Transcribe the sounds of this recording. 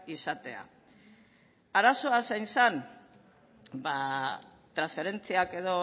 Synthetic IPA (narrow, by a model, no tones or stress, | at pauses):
isat̪e̞̰a̰ | aɾaso̞asajnsan | ba | t̪ɾansfe̞ɾe̞nt͡siake̞ðo̞